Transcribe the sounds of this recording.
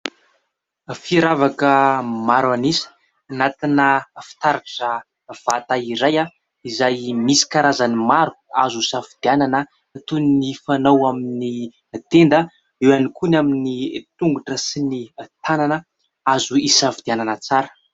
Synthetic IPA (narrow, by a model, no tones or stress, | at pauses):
fiɾavakəmaɾanisi̥ | anat̪inəfi̥t̪aɾaʈ͡ʂə | v̥at̪aiɾaja | izajmisi̥kaɾazanimaɾu̥azusafid̪̥iananə | t̪unnifanawamini | t̪end̪ə | ewanikunaminit̪uŋɡuʈ͡ʂəsinit̪ananə | azuisafid̪̥iananət͡saɾə̥